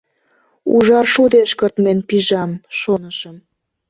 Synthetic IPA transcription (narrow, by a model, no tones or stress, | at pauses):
ṵʒɑʃud̪eʃkərt̪menpiʒɑmʃonəʃəm